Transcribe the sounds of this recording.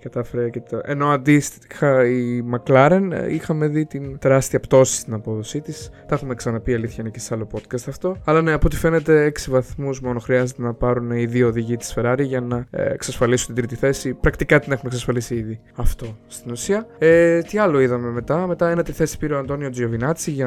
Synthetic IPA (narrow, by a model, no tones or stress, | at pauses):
kɐt̪ɐfeɾec̪e̞no̞ɐnd̪is | xɐimɐklɐɾe̞nixɐme̞ðit̪int̪e̞ɾɐst̪iɐpt̪o̞si̥st̪inɐpo̞ðo̞sit̪ist̪ɐxume̞ksɐnɐpiɐliθçɐinecesɐlo̞po̞t̪kɐst̪ɐft̪o̞ɐlɐne̞ɐpo̞t̪i̥fe̞ne̞t̪e̞eksivɐθmuzmo̞no̞xɾiɐzet̪e̞nɐpɐɾuneiðio̞ðiʝit̪i̥sfe̞ɾɐɾiʝɐnɐ̰eksɐsfɐlisunt̪ind̪ɾit̪iθe̞sipɾɐkt̪ikɐt̪ine̞xumeksɐsfɐlisiiði | ɐft̪o̞st̪inusiɐet̪iɐlo̞iðɐme̞me̞t̪ɐme̞t̪ɐenet̪eiθe̞si̥piɾeoɐnd̪o̞nio̞d͡ziovinɐt͡siʝɐ